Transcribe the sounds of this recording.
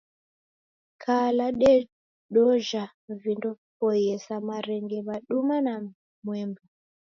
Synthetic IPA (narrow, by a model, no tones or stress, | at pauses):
kʰalaɗɛ | ɗɔʒa | ɱvindɔ | pɔjɛsamaɾɛŋɡɛmaɗumana | mwɛːmbɔ